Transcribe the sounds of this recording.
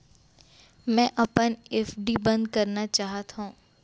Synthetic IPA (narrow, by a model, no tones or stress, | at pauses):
mɛ̃ːʔɐpənɛfɖibɐ̃nd̪kɐɾnat͡ʃaːɦət̪ɦũː